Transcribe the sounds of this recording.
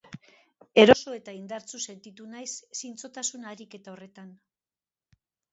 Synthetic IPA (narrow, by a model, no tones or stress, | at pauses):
e̞ɾo̞so̞e̞t̪aind̪aɾt͡suse̞nt̪it̪unajsːint͡so̞t̪asunaːɾike̞t̪ao̞re̞t̪an